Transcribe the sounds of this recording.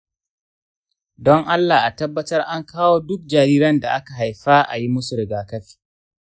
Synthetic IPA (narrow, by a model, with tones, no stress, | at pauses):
dɔ˦ŋʔa˦lːaː˨ʔa˨tɐ˦bːɐ˦tɐ˦rʔa˦ŋkʰaː˦woː˦dʊ˦k̚d͡ʒaː˨ɾiː˦ɾɐ˦nda˨ʔa˦ka˨ɦa˨jɸaː˦ʔa̰˨ji˦mʊ˦su˨ɾɪ˨ɡaː˨kɐ˦ɸi̥ː˦